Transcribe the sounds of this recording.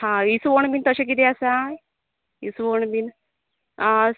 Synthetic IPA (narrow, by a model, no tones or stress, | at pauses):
hãisʋoɳbint̪əɕek̬it̪easa | isʋoɳbin | a